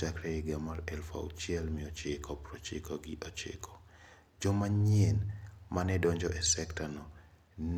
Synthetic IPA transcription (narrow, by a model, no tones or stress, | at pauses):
akɾɛɪɡɛmaɾɛlfa̰ṵt͡ʃjɛlmɪɔt͡ʃɪkʰɔpɾɔt͡ʃɪkɔɡɪʔɔt͡ʃḛkʰɔ̥ | d͡ʒɔmaɲenmanɛdɔɲd͡ʒɔʔɛsɛktanɔ | n